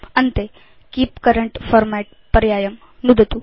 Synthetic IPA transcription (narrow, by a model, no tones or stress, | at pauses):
ənt̪e | kiːpkəɾəɳʈfɔɾmɛʈ̚pəɾjajəm | nud̪ʱət̪u